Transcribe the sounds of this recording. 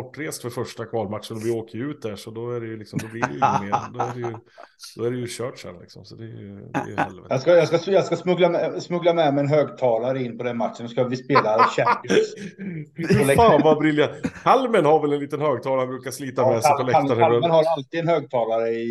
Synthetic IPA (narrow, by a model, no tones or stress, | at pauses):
ɔʈːɾeːst̪fœɾfœʂʈakʰvɑːlmat̪ʂənɔvɪoːkəjʉ̟ːt̪̚d̪æʂɔd̪ɔæɖɛjɵlɪksɔmd̪ɔblɪɾɛmeːd̪ɔæɖɛjd̪̥ɔæɖɛjɵɕœːʈʂæ̰ɾlɪ̰ksɔmsɔd̪ɛj̰d̪ɛ̰jhɛ̰lvɛtjɑskajɑːskajɑːɡskasmɵɡlamɛsmɵɡlamɛmɛjɛnɦøːɡt̪ʰɑːlaɾəɪnːpʰɔd̪ɛnmat̪ʂənɔskavɪspeːlaɕɛk | lɛfaːvabɾɪlːjakʰalmənhaɾvɛlɛnliːt̪ənhøːɡ̚t̪ʰɑːlabɾʉːkasliːt̪amɛsʰɔlɛaaɾənɦaɾalt̪iːd̪ɛnhøːɡ̚t̪ʰɑːlaɾəɪ